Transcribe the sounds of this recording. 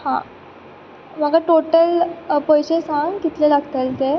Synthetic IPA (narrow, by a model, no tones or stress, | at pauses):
hã̰ | m̤əɡaʈoʈəlpɔjɕesaŋkit̪lelaɡt̪əlt̪e